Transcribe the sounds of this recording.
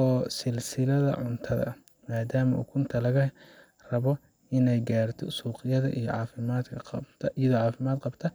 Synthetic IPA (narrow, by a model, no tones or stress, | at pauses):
ɔːsɪlsɪlɐðɐ̰ʕʊnt̪ʰɐðɐ̰ | maːd̪aːmɐʔṵːkʰʊnt̪ʰɐlɐɣɐ | rɐβɔ | ʔɪnɛjɡaːrt̪ʰɔsuːqɪjɐðɐ̰ʔḭjɔ̰ʕɑːfɪmaːd̪kʰɐqbt̪ʰɐjɐðɔːʕɑːfɪmaːd̪qɑbt̪ʰɐ